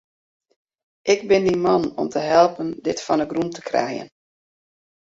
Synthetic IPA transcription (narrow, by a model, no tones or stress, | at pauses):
ʔɪɡ̚bɪndimɑnɔ̰mtəɦɛlˠpəndɪtfɔnəɡrumtə̥krɛ̰jə̰n